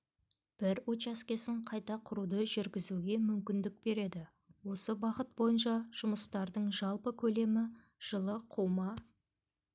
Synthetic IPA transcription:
b̥ɪɾwot͡ʃaskʲe̞sɪɴqʰɑjt̪ɑqʰʊɾud̪əʒʏɾɡʲɪzuɡʲe̞mʏmkʲɪnd̪ɪk̚be̞ɾe̞d̪ɪ | wo̞səbɑqət̪̚bo̞jənʃɑʒ̥ʊməst̪ɑɾd̪əɴʒɑlˠpəkʲʰɵle̞mɪ | ʒ̥əlˠəqʰuwmɑ

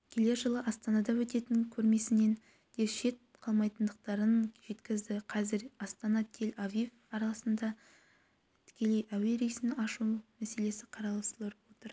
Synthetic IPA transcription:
kʲʰe̞le̞ɾʒəlˠəʔɑst̪ɑnɑd̪ɑwɵt̪e̞t̪ɪŋkʲʰɵɾme̞sɪne̞n | d̪̥e̞ɾʃe̞t̪̚qʰɑlˠmɑjt̪ənd̪əq̚t̪ɑɾənʒ̥e̞t̪kʲɪzd̪ɪqʰɑzɪɾɑst̪ɑnɑt̪ʰe̞lavif | ɑɾɑlˠɑsənd̪ɑ | t̪ʰɪ̥kʲe̞le̞jʔæwe̞ɾijsɪnɑʃumæse̞le̞sɪqʰɑɾɑlˠɑst̪əlˠəɾwo̞t̪əɾ

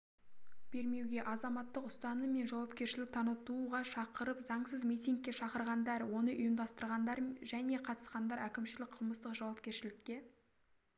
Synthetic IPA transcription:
b̥e̞ɾme̞wɡʲe̞ʔɑzɑmɑt̪ːəqʊst̪ɑnəme̞nʒɑwɑpkʲe̞ɾʃɪlɪk̚t̪ʰɑnət̪uʁɑʃɑqəɾəpzɑɴsəzmejt̪ʲiŋkʲːe̞ʃɑqəɾʁɑnd̪ɑɾwo̞nəʔʊjəmd̪ɑst̪əɾʁɑnd̪ɑɾʒæne̞qʰɑt̪ə̥sqɑnd̪ɑɾækʲɪmʃɪlɪk̚qʰəlˠməst̪əqʒɑwɑp̚kʲe̞ɾʃɪlɪkʲːe̞

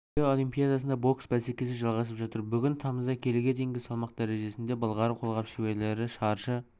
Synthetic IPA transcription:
eo̞lˠijmpʲijad̪ɑsənd̪ɑbo̞ksbæse̞kʲe̞sɪʒɑlˠʁɑsəpʒɑt̪əɾbʏɡʲɪnt̪ʰɑməzd̪ɑkʲʰe̞leɡʲe̞d̪e̞jɪŋɡʲɪsɑlˠmɑqd̪æɾe̞ʒe̞sɪnd̪e̞bəlˠʁɑɾəqʰo̞lˠʁɑpʃewe̞ɾle̞ɾɪʃɑɾʃə

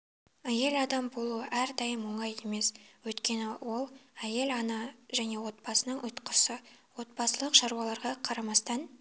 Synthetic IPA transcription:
æje̞lɑd̪ɑmbo̞lˠuəʔæɾd̪ɑjəmwoɴɑje̞me̞swɵjt̪kʲe̞nɪwo̞lˠæje̞lɑnɑʒæne̞wo̞t̪̚b̥ɑsənəɴʔʊjt̪qəsəwo̞t̪̚bɑsəlˠəqʃɑɾuɑlˠɑɾʁɑqʰɑɾɑmɑst̪ɑn

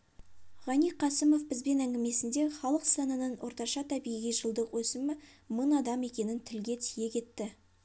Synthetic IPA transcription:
ʁɑnijqʰɑsɪmo̞fbɪzbe̞næŋɡʲɪme̞sɪnd̪e̞χɑlˠəqsɑnənəɴwʔo̞ɾt̪ɑʃɑt̪ʰæbijʁijʒəlˠd̪əqwɵsɪmɪ | mənɑd̪ɑme̞kʲe̞nɪnt̪ʰɪlɡʲe̞t̪ʰije̞kʲʰe̞t̪ːɪ

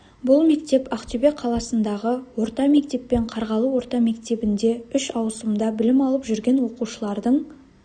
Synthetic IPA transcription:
bʊlˠme̞kt̪e̞paqt̪obeqʰɑlˠɑsənd̪ɑʁəwo̞ɾt̪ɑme̞k̚t̪e̞pːe̞ɴqʰɑɾʁɑlˠəwo̞ɾt̪ɑme̞kt̪e̞bɪnd̪e̞ʏʃɑwsəmd̪ɑbɪlɪmɑlˠəpʒʏɾɡʲe̞nwo̞quʃəlˠɑɾd̪əɴ

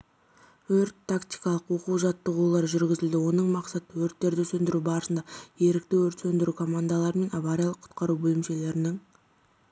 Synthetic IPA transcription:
wɵɾt̪ʰːakt̪ijkɑlˠəqwo̞quʒɑt̪ːəʁulˠɑɾʒʏɾɡʲɪzɪld̪ɪwo̞nəɴmɑqsɑt̪əwɵɾt̪ːe̞ɾd̪ɪsɵnd̪ɪɾubɑɾəsənd̪ɑje̞ɾɪk̚t̪ɪwɵɾt̪sɵnd̪ɪɾukʰo̞mand̪alˠɑɾəme̞navaɾʲijalˠəqʰʊ̥t̪qɑɾubɵlɪmʃe̞le̞ɾɪnɪŋ

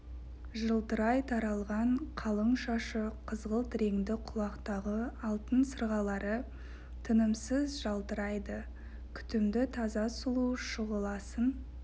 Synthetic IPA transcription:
ʒəlˠt̪əɾɑjt̪ʰɑɾɑlˠʁɑɴqʰɑlˠəɴʃɑʃəqʰəzʁəlˠt̪ʰɾe̞ŋd̪ɪqʰʊlˠɑqt̪ɑʁəɑlˠt̪ənsəɾʁɑlˠɑɾə | t̪ʰənəmsəzʒɑlˠt̪əɾɑjd̪ə | kʲʰʏ̥t̪ɪmd̪ɪt̪ʰɑzɑsʊlˠuʃəʁəlˠɑsən

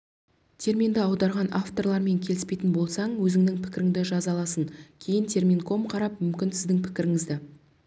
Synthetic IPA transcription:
t̪ʲʰe̞ɾmind̪ɪɑwd̪ɑɾʁɑnaft̪o̞rlˠɑɾme̞ŋkʲʰe̞lɪspe̞jt̪ɪnbo̞lˠsɑɴwɵzɪŋd̪ɪŋpʰɪ̥kʲɪɾɪŋd̪ɪʒɑzɑlˠɑsənkʲʰe̞jɪnt̪ʰe̞ɾmʲinkʰo̞mqʰɑɾɑpmʏmkʲɪnsɪzd̪ɪŋpʰɪkʲɪɾɪŋɪzd̪ɪ

